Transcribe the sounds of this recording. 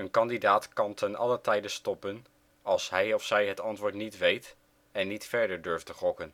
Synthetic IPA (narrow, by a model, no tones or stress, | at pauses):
ənkɑndidaːtkɑntʰənɑlətɛjdəstɔpən | ɑlˠsɦɛjɔfsɛjɦətɑntʋʊːɹtnitʋejt | ɛnːitfɛɹdəɹdɵɹftəχɔkən